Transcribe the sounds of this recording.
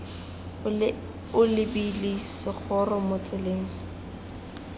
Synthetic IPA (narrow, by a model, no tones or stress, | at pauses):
ʊlɪbilisɪk͡xʰɔrɔmʊt͡sʼɪlɪːŋ̩